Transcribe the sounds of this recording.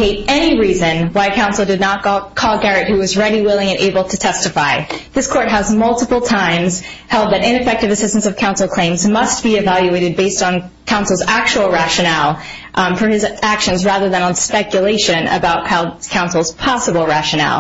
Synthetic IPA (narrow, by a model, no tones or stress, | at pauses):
eɪɾɛniɹizɨ̃nwaɪkʰãʊ̃nsl̩ˠdɨdⁿnət̚kʰɔlˠɡɛɹɨt̚hʉwʌzɹɛɾiwɪlˠɪ̃ŋɨ̃nʔḛɪbl̩ˠtʰɨtʰɛstɨfaɪðɪskʰɔɹt̚ɦəzmʌlˠtəpl̩ˠtʰãɪ̃mz̥hɛlˠd̪̚ðɨɾɪ̃nɨfɛk̚tɨvɨsɪstn̩sʌv̥kʰãʊ̃nsl̩ˠkʰl̥ẽɪ̃mzmʌst̚b̥iɨvælˠjʉeɪɾɨd̚beɪstn̩ | kʰãʊ̃nsl̩ˠzæk̚t͡ʃul̩ˠɹæʃɨnɛlˠ | fə˞ɨzækʃɨ̃nzɹæðə˞ðɨ̃ñə̃n̩spɛkjɨleɪʃɨ̃nɨ̰baʊt̚kʰakʰãʊ̃nsl̩ˠz̥pʰɑsəbl̩ˠɹæʃɨnɛ̰lˠ